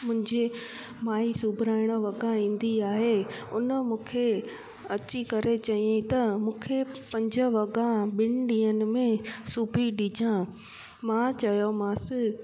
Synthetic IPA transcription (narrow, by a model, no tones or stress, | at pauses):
mʊ̃ɦɪ̃ɲd͡ʑe | maːisuːbʱɪɾaːɪɽ̃ə̆ʋɐɡãĩːn̆d̪iaːɦeʊnəmũːkʰe | ɐt͡ɕikɐɾet͡ɕɐiẽt̪ɐmũːkʰepɐ̃ɲd͡ʑə̆ʋɐɡãɓɪnɪɖĩːənɪ̆mẽsuːbʱiɗɪd͡ʑʱã | mãt͡ɕɐjomãːsɪ